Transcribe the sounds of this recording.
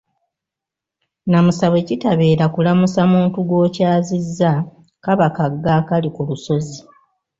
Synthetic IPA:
namusaβe̞citaβe̞ːɾakulamusamuːntuɡo̞ːcaːzizːa | kaβakaɡːakalikuluso̞zi

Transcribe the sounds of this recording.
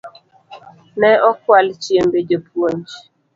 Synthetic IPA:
nɛɔkwalt͡ʃiembed͡ʒəpʰwoɲd͡ʒ

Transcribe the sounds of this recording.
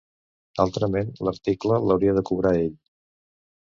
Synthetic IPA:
a̰lˠt̪ɾəmenləɾt̪iklələwɾiəðəkuβ̞ɾaeʎ

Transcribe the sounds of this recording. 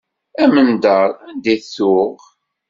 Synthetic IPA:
æmənd̪əɾˤænd̪iθʊʁ

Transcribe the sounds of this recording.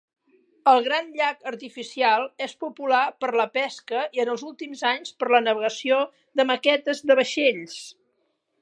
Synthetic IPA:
əlˠɣɾanʎakəɾt̪ifisialˠespupulapəɾləpɛskəiənəlˠzulˠt̪imzaɲspəɾlənəβəɣəsio | ðəməkɛt̪əzðəβəʃeʎs

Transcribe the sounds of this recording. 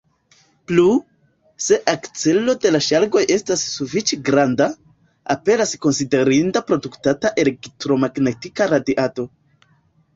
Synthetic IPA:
plu | se̞ʔakt͡se̞lo̞de̞laʃaɾɡo̞je̞stasːufit͡ʃeɡɾanda | a̰pe̞ɾasko̞nside̞ɾindapɾo̞duktataʔe̞leɡtɾo̞maɡnetikaɾadiʔato̞

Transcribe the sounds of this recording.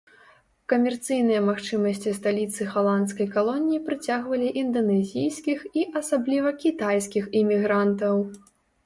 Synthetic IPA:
kɐmʲɛrt̪sɨjnɨjɐmaxt͡ʂɨmɐsʲt͡sʲist̪alʲit̪sɨɣalˠant̪skɐjkalˠɔnʲijipɾɨt͡sʲaɣvɐlʲiʔind̪ɐnɛzʲijskʲixiʔɐsablʲivɐkʲit̪ajskʲiximʲiɣɾant̪ɐw

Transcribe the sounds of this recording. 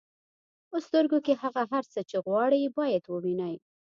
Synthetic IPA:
post̪əɾɡokehaɣaɦaɾt͡sət͡ʃeɣwɑɽibɑjad̪wəwinaj

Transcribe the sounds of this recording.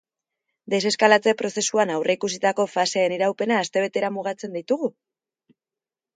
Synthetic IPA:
d̪e̞se̞skalat͡se̞pɾo̞se̞suanawre̞ikus̬it̪ako̞faseːniɾawpe̞naːst̪e̞β̞e̞t̪e̞ɾamuɣ̞at͡se̞nd̪it̪uɣ̞u

